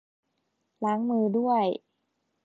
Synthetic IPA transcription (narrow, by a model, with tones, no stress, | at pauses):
la˩˦ŋmɯː˧du˥˩əj